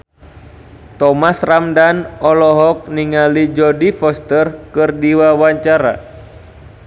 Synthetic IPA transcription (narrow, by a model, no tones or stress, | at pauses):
t̪ɔmasramdanɔlɔɦɔk̚niŋalid͡ʒɔdifɔst̪ərkɨrdiwawaɲt͡ʃaɾa̰